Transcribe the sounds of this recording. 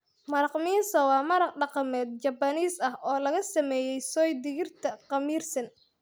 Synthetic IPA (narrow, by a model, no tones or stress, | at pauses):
mɐɾɑqmiːnsɔwɑːmɐɾɑq̚ɖɑqɑmɛːd̪̚t͡ʃɐbɐniːsɐhʔɔːlɐɣɐsɐmɛːjɛjsɔːjd̪ɪɣɪrt̪ʰɐqɑmiːrsɐn